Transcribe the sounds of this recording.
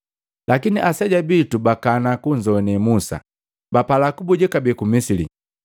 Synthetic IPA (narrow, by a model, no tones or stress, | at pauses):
lʔakiniʔasɛɟabitubakanakuɲd͡ʒɔnɛmusa̰ | bapalakubuɟɛkabɛkumisilḭ